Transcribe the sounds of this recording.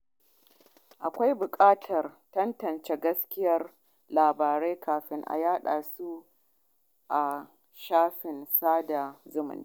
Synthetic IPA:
ʔa˨kʷa˦jbʊ˨kʼaː˦tʰɐ˨rtɐ˦ntɐ˨nt͡ʃe˦ɡɐ˦skʲɪ˦jɐ˦r | laː˨baː˨ɾe˦jkʰaː˨ɸɪ˦ŋʔa̰˨jaː˦ɗa̰ː˨su˦ | ʔa˨ | ʃaː˦ɸɪ˨nsaː˦da˨zʊ˦mʊ̰˨n˦

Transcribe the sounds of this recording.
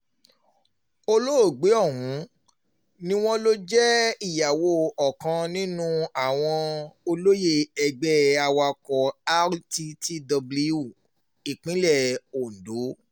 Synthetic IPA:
o˧lo˦o˦˨ɡ͡be˨˦ɔ˦˨ɦũ˨˦ | nĩ˦w̃ɔ̃˦lo˦d͡ʒɛ˦i˦˨ja˨wo˧ɔ˨kã˧nĩ˦nũ˦a˦˨w̃ɔ̃˧o˧lo˦je˦˨ɛ˧ɡ͡bɛ˦a˧wa˧kɔ˨a˦ɾti˧ti˦dɔ˧bli˦u˦˨ | i˨k͡pĩ˨˦lɛ˦˨o˨n̩˨do˨˦

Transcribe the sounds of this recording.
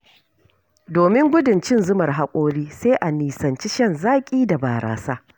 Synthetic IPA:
doː˨mɪ˦ŋɡʷʊ˦dʊ˨nt͡ʃɪ˦nzʊ˦mɐ˨rɦa˦kʷʼoː˦ɽiː˦seː˦ʔa˨niː˨sɐ˨nt͡ʃi˦ʃɐ˦˨nzaː˦kʲʼiː˦da˨baː˨ɾʔa̰ː˨saː˦

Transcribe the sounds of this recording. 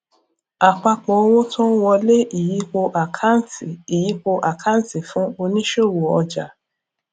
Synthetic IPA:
a˨k͡pa˧k͡pɔ˨˦o˧wo˦tʰɔ̃˦wɔ˧le˦ʔi˨ji˨˦ko˧ʔa˨kʰa˦n˨˦ti˨i˨ji˨˦k͡po˧ʔa˨kʰã˦ti˨fũ˦o˧nĩ˦ʃo˦˨wo˨ɔ˧d͡ʒa˨

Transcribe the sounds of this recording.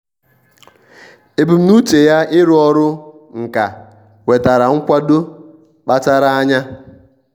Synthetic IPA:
e˨bu˨m̩˦nu˦t͡ʃe˨ja˦ɪ˦ɾʊ˦ɔ˦ɾʊ˦ŋ̩˨ka˨ | we˨ta˨ɾa˨ŋ̩˦kʷa˦do˦ | k͡pa˦ta˦ɾa˦a˦ɲa˦

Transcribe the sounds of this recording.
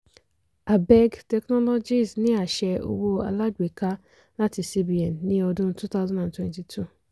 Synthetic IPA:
a˨bɛ˦ɡtɛ˧knɔ˦lɔ˦d͡ʒi˦˨snĩ˦a˨ʃɛ˧o̰˧wo˧a̰˧la˦ɡ͡be˨ka˦ | la˦ti˧si˦bi˨˦ɛ̃˨nːĩ˦ɔ˧dʊ̃˦tu˦t̪a˦ʊzɔ̃˦dã˨ntwɛ̃˨nti˨tʰu˦˨

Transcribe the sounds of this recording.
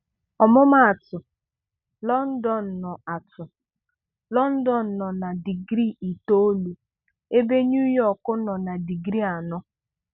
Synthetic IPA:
ɔ˨mʊ˦ma˦a˨tʊ˨ | lɔ˦n̩˦dɔ˨n̩˨nɔ˨a˨tʊ˨ | lɔ˦n̩˦dɔ˨n̩˨nɔ˨na˨di˨ɡɾi˦˨i˨to˦o˦lu˨ | e˦be˦ɲu˦jɔ˨kʊ˦nɔ˨na˨di˨ɡɾi˦a˨nɔ˦

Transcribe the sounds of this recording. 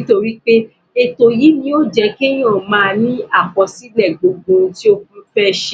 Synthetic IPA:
i˦to˧ɾi˦k͡pe˦ | e˧to˧ji˨˦nĩ˧˦o˦d͡ʒɛ˧˦ke˦j̃ɔ̃˦˨mãː˨˦˧nĩ˦a˦˨k͡pɔ̃˧si˦lɛ˦˨ɡ͡bo˨ɡ͡bõ˧ti˦o˦kũ˦fɛ˦ʃ

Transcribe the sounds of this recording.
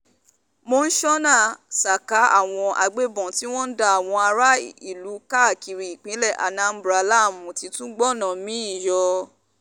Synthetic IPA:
mo˧n̩˦ʃɔ˦nã˦˨sa˨ka˨˦a˦˨w̃ɔ̃˧ʔa̰˧ɡ͡be˦bɔ̃˨ti˦w̃ɔ̃˦n̩˦da˦a˨w̃ɔ̃˧a˧ɾa˦i˦˨lu˨˦ka˦a˦˨ki˨ɾi˨i˨k͡pĩ˨˦lɛ˦˨ʔa̰˨nã˨˦m̩˦bɾa˧la˦˨mũ˨ti˧˦tũ˦ɡ͡bɔ˦˨nã˨mĩ˨˦i˦˨jɔ˧

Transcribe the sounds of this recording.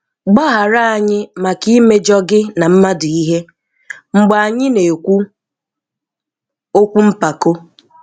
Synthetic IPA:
ɡ͡bɔ˦ɦa˨ɾa˦a˨ɲɪ˦ma˨ki˦me˦d͡ʒɔ˦ɡɪ˦na˨m̩˦ma˦dʊ˨i˦ɦe˦ | ŋ͡m̩˨ɡ͡ba˨a˨ɲɪ˦ne˨kʷu˦ | o˦kʷu˦m̩˦pa˨ko˦

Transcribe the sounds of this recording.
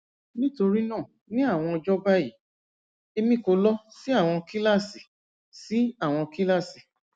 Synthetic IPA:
nĩ˦to˧ɾi˦nã˦˨ | nĩ˦a˦˨w̃ɔ̃˧ɔ˧d͡ʒɔ˦ba˦ji˦˨ | e˧mĩ˦˨ko˧lɔ˦si˦a˦˨w̃ɔ̃˧ki˦la˦˨si˨ | si˨˦a˦˨w̃ɔ̃˧ki˦la˦˨si˨

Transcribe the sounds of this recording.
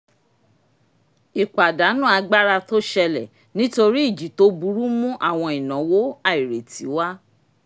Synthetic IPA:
i˨k͡pa˨da˨˦nũ˦a˧ɡ͡ba˦ɾa˧to˦ʃɛ˧lɛ˨ | nĩ˦to˧ɾi˦i˦˨d͡ʒi˨to˦bu˧˦ɾu˦mũ˦ʔa˦˨w̃ɔ̃˧i˨nã˨˦wo˦a˦˨i˨ɾe˨ti˨˦wa˦

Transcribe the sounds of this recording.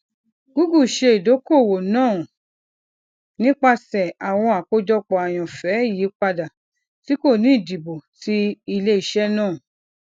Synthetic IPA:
ɡ̥u˨˦ɡu˦˨ʃe˧i˨do˨˦ko˦˨wo˨nãː˦˨ | nĩ˦k͡pa˧sɛ˨a˨w̃ɔ̃˧a˨ko˧d͡ʒɔ˧k͡pɔ˨a˨j̃ɔ̃˨fɛ˨˦˨ji˨˦k͡pa˧da˨ | ti˨˦ko˦˨nĩ˨˦˨di˨bo˨ti˧˦i˧le˦i˦˨ʃɛ˦nãː˦˨

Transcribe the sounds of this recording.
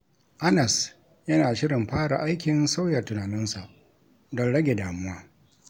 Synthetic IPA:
ʔa˦nɐ˨s | jɐ˦naː˨ʃɪ˦ɾɪ˨mɸaː˦ɽa̰˨ʔa˦jkʲɪ˨nsa˦wjɐ˨rtʊ˨naː˨nɪ˦nsa˨ʔ | dɔ˦ɽɐ˦ɡʲe˨daː˨mʊ˦waː˦

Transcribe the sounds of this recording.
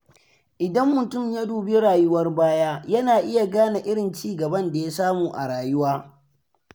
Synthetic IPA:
ʔɪ˨dɐ˦mːʊ˨tʊ˦˨mja˦duː˨be˦ɽaː˨jʊ˦wɐ˦rbaː˦jaː˦jɐ˦naː˨ʔɪ˦ja˨ɡaː˦na˨ʔɪ˦ɽɪ˨nt͡ʃiː˦ɡɐ˨bɐ˦nda˨ja˦saː˦muː˨ʔa̰˨ɽaː˨jʊ˦waː˦

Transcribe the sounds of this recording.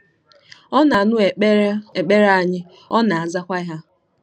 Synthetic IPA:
ɔ˦na˨nʊ˦˨e˨k͡pe˦ɾa˦˨a˨ɲɪ˦ | ɔ˦na˨a˨za˦kʷa˦ɦa˦

